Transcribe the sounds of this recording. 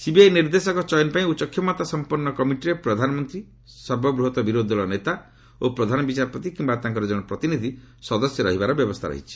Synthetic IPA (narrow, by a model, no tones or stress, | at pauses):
sibiajniɾd̪esɔkɔt͡ʃɔjɔnpaĩut͡ʃɔkʰjɔmɔt̪asɔmpuɾnːɔkɔmiʈiɾepɾɔd̪ʱanɔmɔnt̪ɾi | sɔɾbʱɔbɾuɦɔt̪ɔbiɾod̪ʱɔlɔnet̪a | opɾɔd̪ʱanɔbit͡ʃaɾɔpɔt̪ikimbat̪ãŋkɔɾɔd͡ʒɔɽ̃ɔpɾɔt̪inid̪ʱi | sɔd̪ɔsjɔɾɔɦibaɾɔbjɔbɔst̪ʰaɾɔ̰ɦḭt͡ʃʰi̥